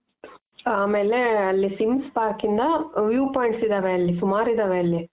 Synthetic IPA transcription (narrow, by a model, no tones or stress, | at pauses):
aːmeːleɐlːisimspaːkind̪ɐʋjuːpoːjɳʈsid̪aːʋeɐlːisumaːɾid̪aːʋeɐlːi